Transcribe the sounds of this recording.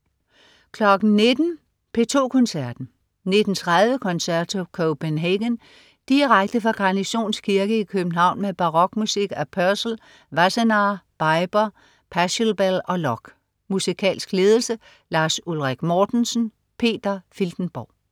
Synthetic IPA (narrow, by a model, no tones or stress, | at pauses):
kʰlɒ̽ɡ̥n̩ne̝d̥n̩ | pʰe̝t͡sʰo̝̰ːkʰɔ̽nsæɐ̰d̥n̩ | ne̝d̥n̩t͡sʰʁaðˠʋəkʰɒ̽nsæɐ̰̥t͡sʰokʰoʊb̥enɦeɡ̥ən | d̥iʁaɡ̥̚d̥əfɑ̈ɡ̥ɑ̈niɕo̝̰ːnskʰiɐɡ̥əikʰøb̥n̩ɦɑ̈ʊ̰nmeb̥ɑ̈ʁɒ̽ɡ̥musiɡ̥æpʰœɐsl̩ | ʋæsenɑb̥ɑ̈ɪb̥ɐ | pʰæɕlb̥elɒ̽lɒ̽ɡ̥ | musikʰɛ̰ːlsɡ̥le̝ːðˠl̩sə | lɑ̈ːsulʁaɡ̥mɒːd̥n̩sn̩ | pʰe̝̰ːd̥ɐfild̥n̩b̥ɒ̰ʊ̰